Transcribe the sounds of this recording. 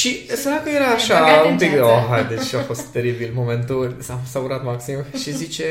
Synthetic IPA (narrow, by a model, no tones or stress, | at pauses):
ʃisəɾakəjeɾaːʃaumpik̪oɦajd̪et͡ʃafo̞st̪ːe̞ɾibilmo̞mẽ̞nt̪ulʲsafsauɾat̪maksimʃizit͡ʃe